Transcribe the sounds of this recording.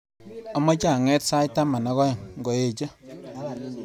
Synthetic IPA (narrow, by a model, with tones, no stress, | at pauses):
ɔ˦mɔ˦t͡ʃa˨ŋɛ˦tsa˦jta˦ma˨na˦ɣɔ˦jɔ˨ŋŋɡɔ˨je˨t͡ʃɔ˦